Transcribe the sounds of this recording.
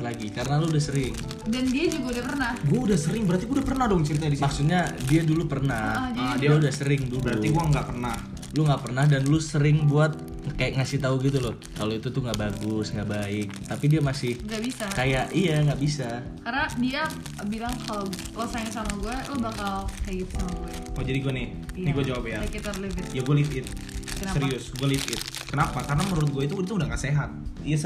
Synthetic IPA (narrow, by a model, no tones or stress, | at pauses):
laɡikaɾənaluudahsəɾɪŋ | dandiad͡ʒuɡaudahpərnahɡuaudahsəɾɪŋbəɾart̪iudahpərnahdɔŋt͡ʃəɾit̪adisimaksut̪̚ɲadiadulupərnaɔd͡ʒadiaudahsəɾɪŋduləɾaut̪iuaŋɡaʔpərnah | luŋɡaʔpərnahdanlʊsəɾɪŋbuat̪̚ | kajaʔŋasɪht̪auɡit̪̬ulʊ | kaloit̪ut̪uŋɡaʔbaɡʊsŋɡaʔbaɪk̚t̪apidiamasɪhŋɡabisakajaʔijaŋɡaʔbisa | karnadia | bilaŋkʰalo | losaŋsamaɡuɛlubakalhaɪt̪̚samaɡuɛod͡ʒadiɡuɛnɪ | nɪɡuad͡ʒawapjakit̪alifɪt̪jaɡualifɪt̪̚ksəɾiʊsɡualifɪt̪̚ | kənapakarənamənuɾʊt̪̚ɡuait̪̬uit̪uːdaŋɡaseɦat̪̚ijas